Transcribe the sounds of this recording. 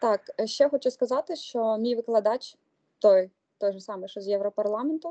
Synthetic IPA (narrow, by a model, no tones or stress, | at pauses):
t̪ɑkʃt͡ʃɛxɔt͡ʃʊskɐzɑt̪ɪʃt͡ʃɔmʲijʋɪklˠɐd̪ɑt͡ʃʲ | t̪ɔj | t̪ɔjʒɛsɑmɛʃɔzjɛʋɾɔpɐrlˠɑmɛnt̪ʊ